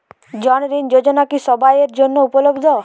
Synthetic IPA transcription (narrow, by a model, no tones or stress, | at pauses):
d͡ʒɔnɾind͡ʒod͡ʒɔnakisɔbajeɾd͡ʒonːɔupɔlobd̪ʱɔ